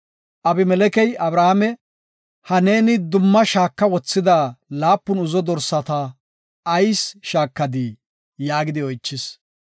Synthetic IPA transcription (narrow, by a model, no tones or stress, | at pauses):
ʔɐbɪmɛlɛkɛjɐbɾahamɛ | hɐne̞ːnɪd̪ʊmːɐʃaːkːɐwɔt͡sːɪd̪aːlaːpːʊnʊzɔd̪ɔɾsɐt̪a | ɐjsʃaːkːɐd̪i | jaːɡɪd̪ɪɔjt͡ʃːɪs